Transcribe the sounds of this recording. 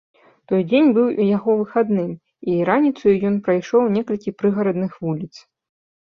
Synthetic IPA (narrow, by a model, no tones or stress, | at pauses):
t̪ɔjd͡zʲenʲbɨwujaɣɔvɨxad̪nɨm | iɾanʲit̪sujujɔnpɾajʂɔwnʲɛkɐlʲkʲipɾɨɣɐɾɐd̪nɨxvulʲit̪s